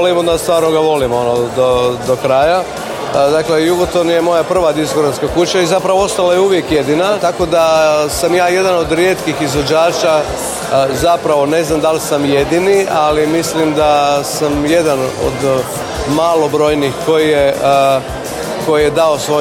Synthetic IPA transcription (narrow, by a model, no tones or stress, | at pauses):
limod̪ast̪ʋaːɾnoɡaʋo̞limo̞nod̪od̪okɾaːja | d̪akle̞juɡot̪o̞nje̞mo̞japr̩ʋad̪iskoɡɾanskakut͡ʃaizapɾaʋoo̞st̪alajeuʋje̞kje̞d̪inat̪ako̞d̪asamjaːje̞d̪ano̞d̪ɾje̞ːt̪kixizʋod͡ʒaːt͡ʃa | zapɾaʋo̞ne̞znamd̪alsamje̞d̪inialimislimd̪asamje̞d̪ano̰d̪ | maːlo̞bɾo̞ːjnixko̞jije | ko̞jje̞d̪ao̞sʋo